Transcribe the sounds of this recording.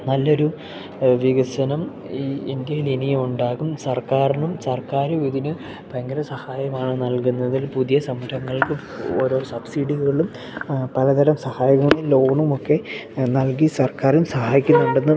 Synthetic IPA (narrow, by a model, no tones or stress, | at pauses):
nɐlːo̞ɾu | ʋiɣɐsɐnɐm | iːind̪ijɐlinijɐmuɳɖaːɣumsɐrkaːɾnumsɐrkaːɾuʋiðinɨ | pɐŋɡɐɾɐsɐhaːjɐmaːɳɨnɐlkunːɐðilpuðijɐsɐmːuʈʰɐŋːɐɭkɨ | o̞̰ːɾo̞ːsɐbsiɖiɣɣɐɭum | pɐlɐd̪ɐɾɐmsɐhaːjikɐnilo̞ːɳumo̞kːe̞nɐlkisɐrkaːɾumsɐhaːjikʲːunːuɳɖenːɨ